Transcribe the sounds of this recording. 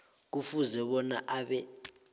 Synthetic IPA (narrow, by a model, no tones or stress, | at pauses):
k̬ufuzɛɓɔna̰ʔaɓɛ